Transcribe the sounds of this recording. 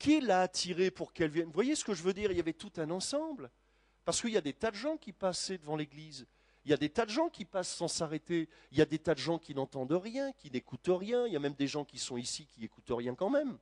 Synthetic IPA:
kʲiɛlaːt̪ʰiʁepuʁkɛlvjɛnvwajesə̥kəʒəvød̪iʁiljavɛt̪ut̪ɛ̃nɑ̃sɑ̃bl | paʁsə̥kəiljad̪et̪ad̪əʒɑ̃kʲipasɛd̪əvɑ̃leɡliz | iljad̪et̪ad̪əʒɑ̃kʲipasːɑ̃saʁet̪e | iljad̪et̪ad̪əʒɑ̃kʲinɑ̃t̪ɑ̃d̪əʁjɛ̃kʲinekut̪ʁjɛ̃iljamɛmd̪eʒɑ̃kʲisɔ̃isikʲiekut̪ʁjɛ̃kɑ̃mɛm

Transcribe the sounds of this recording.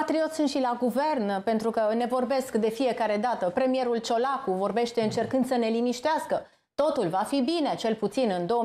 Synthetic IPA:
at̪ɾio̞t̪sunt̪ʃilaɡuve̞rnpe̞nt̪ɾukəne̞vo̞rbe̞skd̪e̞fije̞kaɾe̞d̪at̪əpɾe̞mije̞ɾult͡ʃo̞lakuvo̞rbe̞ʃt̪e̞ɨnt͡ʃe̞rkɨnd̪səne̞limiʃt̪easkə | t̪o̞t̪ulvafibine̞t͡ʃe̞lput̪sinɨnd̪o̞ə

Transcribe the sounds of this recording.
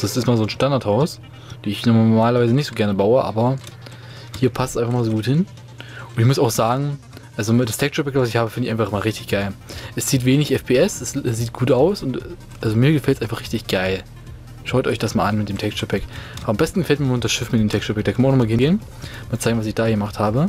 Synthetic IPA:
asɪstmaːlzoːnʃtandaɐthaʊs | d̥eːɪçnɔmaːlɐvaɪzənɪçtz̥oːɡɛɐnəbaʊəʔa̰ːbɐ | hiːɐpʰastsʔaɪnfaχmaːlzoːɡuːthɪn | ʊntɪçmʊsaʊxz̥aːɡŋ̩ | ʔalzod̥astʰɛkʃəpɛkvas̬ɪçhaːbəfɪndɪçʔaɪfaχɪmaːlʁɪçtɪçɡ̥aɪlʔɛsz̥iːtv̥eːnɪçʔɛfpʰeːɛsɛssz̥iːt̚ɡ̥uːtʔaʊsʊnt | ʔalzomiːɐɡəfɛltsʔaɪnfaχʁɪçtɪçɡ̥aɪl | ʃaʊtɔʏçd̥asmaːlʔanmɪtd̥eːmtʰɛkʃəpʰɛkʔaambɛstn̩ɡəfɛlt̚miːɐmdasʃɪfmitdeːmtʰɛkʃəpʰɛk̚d̥akʰnmːnaʊnɔmaɡəhɪɡeːn | maːlt͡saɪɡŋ̩vasɪçd̥aːjɡəmaχthaːbə

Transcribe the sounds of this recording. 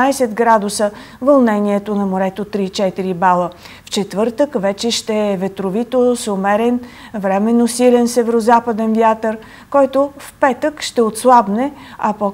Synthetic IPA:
ajsɛt̪ɡɾad̪ʊsə | vɐlˠnɛniɛt̪onɐmoɾɛt̪ot̪ɾit͡ʃɛt̪iɾibalˠə | ft͡ʃɛt̪vɤɾt̪əkvɛt͡ʃɛʃt̪ɛːvɛt̪ɾovit̪osomɛɾɛn | vɾɛmɛnːosilɛnsɛvɛɾozapəd̪ɛnvjat̪əɾ | kɔjt̪ofpɛt̪əkʃt̪ɛot̪slˠabnɛɐpo

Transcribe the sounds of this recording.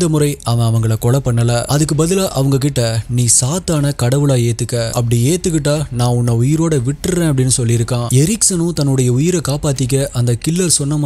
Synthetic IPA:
d̪ɐmʊɾɐɪʔɐʋɐ̃ɐʋɐŋɡɐɭɐkɔɭɐpːɐɳːɐlɐʔɐðɯk̬ːɯbɐðɪlaːʔɐʋɐŋɡɐk̬ɪʈːɐniːsaːt̪aːnɐkɐɽɐʋɯɭaːeːt̪ːɯkːɐʔɐ̰pːɐɽieːt̪ːɯk̬ːɪʈːaːnãːʊnːɐʊjɪɾoːɽɐʋɪʈːɯɾẽːɐp̬ːɐɽɪnːɯsɔlːɪɪɾɯkːãːɛɾɪksɐnʊ̃t̪ɐnːɯɽɐjɐʊjɪɾɐkaːpaːt̪ːɪk̬ːɐʔɐnd̪ɐkɪlːɐlsɔnːɐma

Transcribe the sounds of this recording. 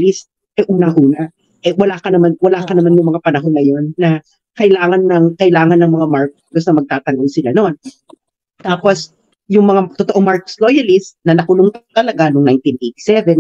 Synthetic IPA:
list̪̚ | ʔɛʔuːnɐŋʔuːnɐ | ʔɛwɐlaːkɐnɐmanwɐlaːkɐnɐmanjʊŋmɐŋapɐnɐɦonŋɐjo̞nːɐ | kɐʔɪlaːŋɐnːɐŋkɐʔɪlaːŋɐnːɐŋmɐŋamaɹk̚ɡosnɐmɐɡ̚t̪aːt̪ɐŋɡolsɪlano̞n | t̪aːpo̞s | jʊŋmɐŋat̪ot̪oʔomaɹkslo̞jɐlɪst̪̚nɐnɐkʊloŋt̪t̪ɐlɐɡanoŋnajnt̪inʔejt̪i̥sɛvɛn

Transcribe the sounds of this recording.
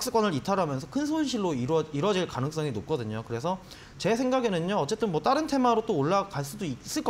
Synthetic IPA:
k̚s͈ɯk͈ʌnɯɾitʰaɾɦamjʌnsʰʌkʰɯnsʰonɕʰiɭːoiɾiɾʌd͡ʑiɭkanɯŋs͈ʌŋinop̚k͈ʌdɯɲokɯɾe̞sʰʌ | t͡ɕe̞sʰe̞ŋɡaɡenɯɲoʌt͡ɕ͈e̞t͈ɯnmwʌt͈aɾɯntʰe̞maɾot͈oːɭːakaɭs͈udois͈ɯɭk͈

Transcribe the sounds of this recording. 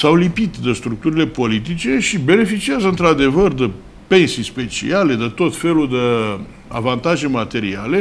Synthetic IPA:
sawlipit̪d̪əst̪ɾuk̚t̪uɾile̞po̞lit̪it͡ʃe̞ʃibe̞ne̞fit͡ʃiazəɨnt̪ɾad̪e̞vərd̪ə | pe̞nsispe̞t͡ʃḭale̞d̪ət̪o̞t̪fe̞luld̪ə | a̰vant̪aʒe̞mat̪e̞ɾiale̞

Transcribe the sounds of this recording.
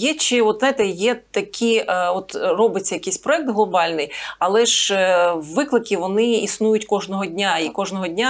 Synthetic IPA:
jɛt͡ʃɪɔt̪zɑjt̪ɛjɛt̪ɐkʲʰiʔɔt̪rɔbɪt͡sʲːɐjɐkisʲpɾɔɛk̚t̪ɦlˠɔbɑlʲnɪjɐlˠɛʒ | ʋɪklˠɪkʲɪʋɔnɪisnujʊtʲkɔʒnɔɦɔdʲnʲaikɔʒnɔɦɔdʲnʲa

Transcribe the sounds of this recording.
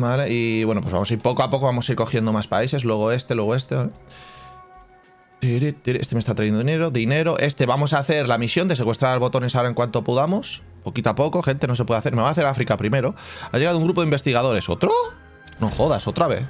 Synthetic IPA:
bale̞iβwe̞no̞pwo̞zβamo̞saiɾpo̞koapo̞ko̞βamo̞saiɾko̞xje̞nd̪o̞maspaise̞slwe̞ɣ̞o̞e̞st̪e̞lwe̞ɣoe̞st̪e̞βale | t̪iɾit̪iɾest̪emest̪at̪ɾajenoine̞ɾo̞ðine̞ɾo̞ʔe̞st̪e̞βamo̞saθe̞ɾlamisjo̞nd̪e̞se̞kwe̞st̪ɾaɾalβo̞t̪o̞ne̞saoɾaeŋkwant̪o̞puðamo̞s | po̞kit̪apo̞ko̞xe̞nt̪e̞no̞s̬e̞pwe̞ðaθe̞ɾme̞βaθe̞ɾafɾikapɾime̞ɾo̞a̰ʝeɣaðouŋɡɾup̬oimbest̪iɣ̞að̞o̞ɾe̞so̞̰t̪ɾo | noxo̞ðaso̞t̪ɾaβe̞̰θ

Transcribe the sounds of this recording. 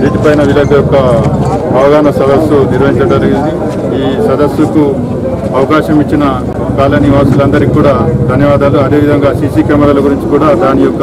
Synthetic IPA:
ɾiːʈ̪ipɐjnɐʋilɐɡɐjɔkːɐ | ɐʋɐɡaːnɐsɐd̪ɐsːuniɾʋɐɦiɲt͡ʃɐd͡ʒɐɾiɡind̪i | iːsɐd̪ɐsːuku | ɐʋɐkaːʃɐmit͡ʃːinɐ | kaːlɐniʋaːsulɐnd̪ɐɾikuːɽaːd̪ʱɐnjɐʋaːd̪aːluɐd̪e̞ːʋid̪ʱɐŋɡaːsiːsiːkɛmɛɽaːlɐɡuɾiɲt͡ʃi̥kuːɽaːd̪aːnijɔkːɐ

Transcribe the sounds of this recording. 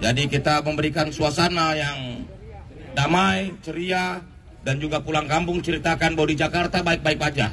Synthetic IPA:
d͡ʒadikit̪aməmbəɾikansuasanajaŋ | damajt͡ʃəɾia | dand͡ʒuɡapulaŋkampʊŋt͡ʃəɾit̪akanbadid͡ʒakart̪abaɪk̚baɪk̚bad͡ʒa

